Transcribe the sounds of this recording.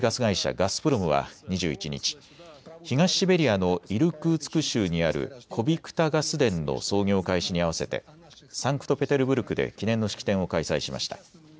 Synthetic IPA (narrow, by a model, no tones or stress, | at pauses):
ɡasɨɡaiɕa̰ɡasɨ̥pɯ̟ɾomɯ̟β̞a̰ɲ̟iʑɨːit͡ɕiɲ̟ḭt͡ɕi̥ | çiɡaɕibe̞ɾʲiano̞iɾɯ̟kɯ̟t͡sɨ̥kɯ̟ɕɨːɲ̟iaɾɯ̟̰kʰo̞bʲikɯ̥t̪aɡasɨd̪ẽ̞nːo̰so̞ːŋʲo̞ːkaiɕiɲ̟iaβase̞t̪e̞̰ | sãŋkɯ̟̥t̪o̞pe̞t̪e̞ɾɯ̟bɯ̟ɾɯ̟kɯ̟d̪e̞̰kʲinẽ̞nːo̞ɕi̥kʲi̥t̪ẽ̞ɰ̃o̞kaisaiɕima̰ɕi̥t̪ḁ